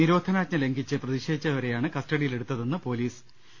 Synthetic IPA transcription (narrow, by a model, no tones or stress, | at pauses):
niɾo̞ːd̪ʱɐnaːtɲɐle̞ŋɡʱit͡ɕːɨprɐðiɕeːd̪it͡ɕːɐʋɐɾe̞jaːɳɨkɐsʈɐɽijile̞ɽut̪ːɐðenːɨpo̞ːliːs